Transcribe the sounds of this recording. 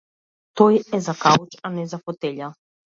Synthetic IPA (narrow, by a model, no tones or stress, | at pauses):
t̪ɔjɛzakaut͡ʃanɛzafɔt̪ɛʎa